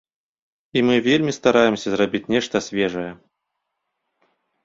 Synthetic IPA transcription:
imɨvʲelʲmʲist̪aɾajɛmsʲɐzrabʲit͡sʲnʲɛʂt̪ɐsʲvʲɛʐɐjɛ

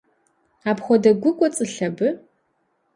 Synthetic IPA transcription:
aːpxʷɔdɐɡʷʊkʷʼɔt͡sʼɨɬɐbɨ

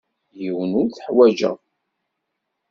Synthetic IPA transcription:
jiwənʊɾθəħwæd͡ʒə̰

